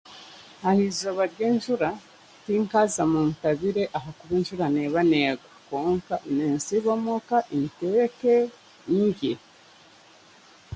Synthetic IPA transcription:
hahizoβaɾɟeːnʃuɾa | tiŋkazamuːntaβiɾeʔaɦakuβenʃuɾaneβaneːɡakoːŋkaʔineːnsiβomokaʔinteeke | ɲije

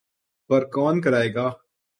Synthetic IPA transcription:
pɐɾkɔːnkɐɾaːeːɡaː

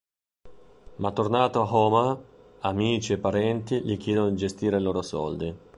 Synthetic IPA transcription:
mat̪ːornaːt̪oaɦɔːma | amiːt͡ʃiɛpːaɾɛnt̪iʎik̟jɛːd̪onod̪id͡ʒest̪iːɾeloːɾosɔ̰ld̪i

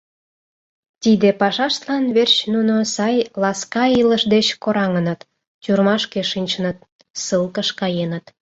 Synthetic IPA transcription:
t̪id̪epɑʃɑʃt̪lɑnβert͡ɕnunosɑjlɑskɑiləʃd̪et͡ɕkoɾɑŋənət̪ | t͡ɕurmɑʃkeʃinʲt͡ɕənət̪̚ | səlkəʃkɑjenət̪

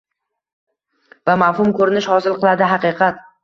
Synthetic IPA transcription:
vamavhʊmkʰɵɾɪnɪʃhɒzɪlˠqʰɨlˠad̪ɪɦaqɨqʰɑt̪

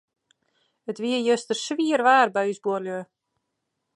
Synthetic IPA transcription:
ətʋiəjøstərsʋiərʋaːrbɛysbuərljø

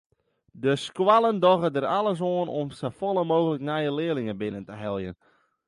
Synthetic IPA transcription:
dəskwalˠəndɔɣədəralˠəs̬oənɔmsəfolˠəmoːɣələknɛjəlɪəlɪŋəbɪnəntəɦɛlˠjən

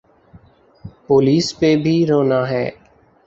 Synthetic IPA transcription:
poːliːspeːbʱiːɾoːnaːɦɛ̰ː

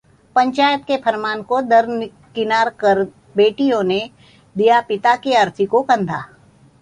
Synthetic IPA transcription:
pɐ̃ɲt͡ʃaːjət̪kepʰɐɾmaːnkod̪ɐɾn | kɪnaːɾkəɾ | beːʈijõne | d̪ijapɪt̪akiɐɾt̪ʰikokɐ̃nd̪ʱaː

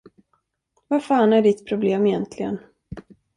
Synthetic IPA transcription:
vafaːnæɖɪt̪ːpʰɾʊbleːmɪjɛnt̪ʰlɪɡə̰n

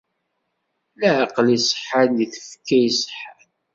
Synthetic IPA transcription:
læʕqːlisəħaljiθə̥fkːæjsħal

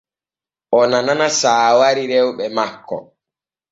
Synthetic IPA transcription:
ʔɔnananasaːwaɾiɾɛwɓɛmakːɔ̰

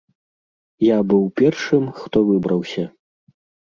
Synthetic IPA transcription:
jabɨwpʲɛrʂɨmxt̪ɔvɨbɾɐwsʲɐ

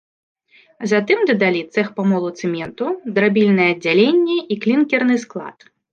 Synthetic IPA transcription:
zat̪ɨmd̪ɐd̪alʲit̪sɛxpɐmɔlˠut̪sɨmʲɛnt̪ud̪ɾabʲilʲnɐjɛɐd͡zʲːalʲenʲːɛiklʲinkʲɛrnɨsklˠa̰t̪

